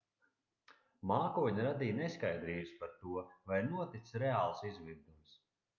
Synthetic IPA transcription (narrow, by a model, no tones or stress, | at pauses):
maːkuɔɲaɾad̪iːneskajd̪ɾiːbɨspaɾt̪uɔvajnuɔt̪it̪sɾɛaːlˠsizvʲiɾd̪ums